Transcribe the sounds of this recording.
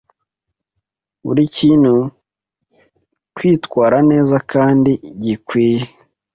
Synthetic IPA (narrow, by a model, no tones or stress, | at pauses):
ṵɾiciːn̥hu | kwiːtkwaːɾane̞ːzakaːndiɟikwiːje